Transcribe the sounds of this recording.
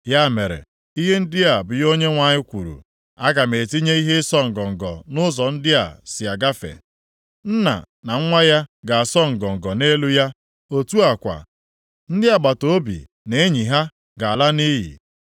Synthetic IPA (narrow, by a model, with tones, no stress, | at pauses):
ja˦˨me˨ɾḛ˨ | i˦ɦe˦n̩˦dɪ˦a˨bʊ˨jo˦ɲe˦ŋʷa˨ɲɪ˦kʷṵ˨ɾṵ˨ | a˦ɡa˨me˨ti˦ɲe˦i˦ɦe˦sɔ˦ŋ̩˨ɡɔ˨ŋ̩˨ɡɔ̰˨nʊ˦zɔ˨n̩˦dɪ˦a˨sɪ˨a˨ɡa˦fḛ˨ | n̩˦na̰˨ | na˨ŋ̩˦ŋʷa˦ja˦ɡa˨a˨sɔ˦ŋ̩˨ɡɔ˨ŋ̩˨ɡɔ˨ne˦lu˦ja˦ | o˦tu˦a˨kʷa̰˨ | n̩˦dɪ˦a˨ɡ͡ba˨to˦o˦bḭ˨ | ne˨e˦ɲi˨ɦa˦ | ɡa˨a˨la˦ni˦ɦḭ˨